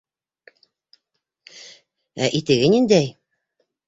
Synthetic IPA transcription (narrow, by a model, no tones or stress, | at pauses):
æ̰ʔit̪ɘ̆ɡɘnind̪æj